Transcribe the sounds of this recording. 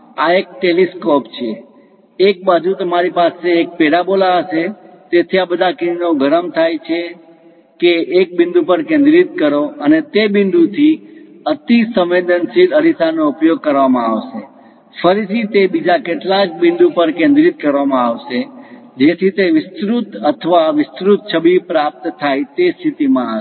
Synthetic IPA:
aek̚ʈeliskɔpt͡ʃʰeː | k̚bad͡ʒut̪əmaɾipaseːk̚peɽabolaəʃe | t̪et̪ʰiabəd̪ʱakinoɡʱəɾəmt̪ʰajt͡ʃʰe | keːk̚bɪnd̪ʱupəɾkẽnd̪ɾit̪̚kəɾoənet̪ebɪ̃nd̪ut̪ʰi | ət̪isə̃mʋed̪ənsid̪əɾisanoupjoɡ̚kəɾʋamãaʋʃe | fəɾit̪ʰit̪ebid͡ʒakeʈlak̚bɪ̃nd̪upəɾkẽnd̪ɾit̪̚kəɾʋamãaʋʃe | d͡ʒet̪ʰit̪eʋɪst̪ɾut̪ət̪ʰəʋaʋɪst̪ɾut̪̚t͡ʃʰəbipɾap̚t̪t̪ʰajt̪est̪ʰit̪imãa

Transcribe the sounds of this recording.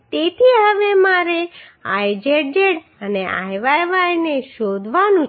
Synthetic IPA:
t̪et̪ʰiɦəʋemaɾeajd͡ʒeɽd͡ʒeɽ | əneʔa̰jʋajʋajneʃod̪ʱʋanũ

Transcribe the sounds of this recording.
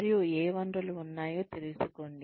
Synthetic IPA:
ɾjueːʋɐɳɾɐluːnːaːjo̞ːt̪eɾusukoːɳɖi

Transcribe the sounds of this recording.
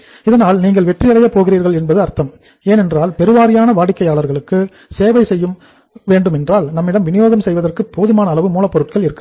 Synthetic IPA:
ɪðɐnaːlniːŋɡɐɭʋɛʈrijɐɽɐjɐpoːɣɪriːɾɣɐɭɛnbɐðɯɐɾt̪ɐm | eːnɛndraːlpɛɾɯʋaːɾɪjaːnɐʋaːɽɪkːɐjaːɭɐɾɣɐɭɯkːɯ | seːʋɐɪsɛjːɯm | ʋeːɳɖɯmɛndraːlnɐmːɪɽɐmʋɪnɪjoːɣɐmsɛjʋɐðɐrkɯpːoːðɪmaːnɐːlɐʋɯmuːlɐpːɔɾɯʈ̚kɐɭɪɾɯkːɯ

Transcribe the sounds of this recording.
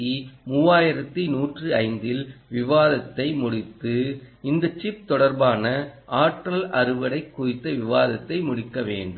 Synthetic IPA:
imuːaːjɪɾɐt̪ːinuːʈrɯɐɪnd̪ɪlʋɪʋaːðɐt̪ːɐɪmʊɽɪt̪ːɯ | ɪnd̪ɐt͡ʃɪp̚t̪ɔɽɐɾbaːnɐʔaːʈɾɐlʔɐɾɯʋɐɽɐɪkːʊɾɪt̪ːɐʋɪʋaːðɐt̪ːɐɪmʊɽɪkːɐʋḛːɳɖɯ

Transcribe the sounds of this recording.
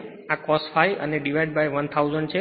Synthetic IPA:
akɔsfajə̰neɖiʋajɖbajʋənt̪ʰauzəɳɖt͡ʃʰe

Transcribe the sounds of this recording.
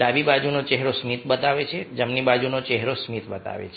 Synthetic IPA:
abibad͡ʒunot͡ʃɛɦɾosmit̪ʰbət̪aʋet͡ʃʰed͡ʒəmnibad͡ʒunot͡ʃɛɦɾosmit̪bət̪a̰ʋḛt͡ʃʰ

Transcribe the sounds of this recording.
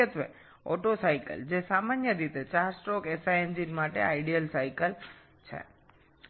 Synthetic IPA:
ət̪ʋḛ | ɔ̰ʈosajkə̰ld͡ʒesamanjəɾit̪et͡ʃaɾsʈokesaend͡ʒinmaʈeaiɖijəlsajkəl | t͡ʃʰḛ

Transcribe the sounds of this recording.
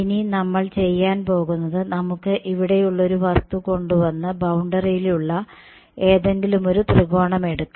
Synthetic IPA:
ininɐmːɐɭt͡ɕe̞jːaːnpo̞ːɣunːɐðɨnɐmukːɨʔiʋiɽe̞juɭːo̞ɾuʋɐst̪uko̞ɳɖuʋɐnːɨbɐwuɳɖɐrijiluɭːɐ | e̞ːðe̞ŋɡilumo̞ɾut̪riɣo̞ːɳɐme̞ɽuk̪ːu

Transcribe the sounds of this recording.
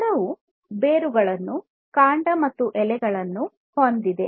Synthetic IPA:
ɾɐʋu | beːɾuɡɐɭɐnːu | kaːɳɖɐmɐt̪ːuʔɛlɛɡɐɭɐnːu | hond̪id̪e

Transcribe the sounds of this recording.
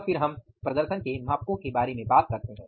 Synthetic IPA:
fʰɪɾɦɐm | pɾɐd̪əɾʃənkemaːp̚kõkebaːɾemẽbaːt̪̚kɐɾt̪eɦɛ̃ː

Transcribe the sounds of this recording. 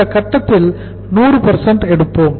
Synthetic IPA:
ɐkɐt̪ːɐt̪ːɪl | nuːrɯpɐɾsɐɳɖɛɽɯpːoːm

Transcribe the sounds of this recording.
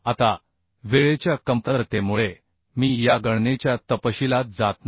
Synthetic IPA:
at̪a | ʋeɭet͡ɕjakəmpəɾt̪emuɭe | miːjaɡəɽnet͡ɕjat̪əpəɕilat̪̚d͡zat̪n

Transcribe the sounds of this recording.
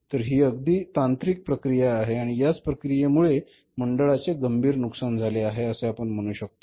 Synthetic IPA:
t̪əɾɦiːəɡ̚d̪iːt̪ant̪ɾiːk̚pɾəkɾijaːɦeaɽ̃ijat͡spɾəkɾijemuɭe | məɳɖəɭat͡seɡəmbʱiːɾnuksand͡zʱaleaɦeəseapəɳm̤əɽ̃uːɕək̚t̪o

